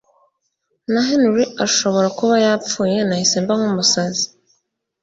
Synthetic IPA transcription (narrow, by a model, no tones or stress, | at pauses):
naɦenuɾiaʃoβoɾakuβajapp͡fujenaiseːmbaŋumusazi̥